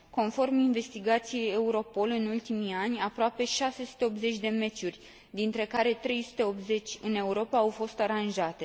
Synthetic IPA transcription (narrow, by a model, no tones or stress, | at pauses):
ko̞nfo̞rminve̞st̪iɡat̪sije̞je̞uɾo̞po̞lɨnult̪imianʲapɾoape̞ʃase̞su̥t̪e̞o̞pze̞t͡ʃʲd̪e̞me̞t͡ʃurʲ | d̪int̪ɾe̞kaɾe̞t̪ɾe̞jsu̥t̪e̞o̞pze̞t͡ʃʲɨne̞uɾo̞paːwfo̞st̪aɾanʒat̪e̞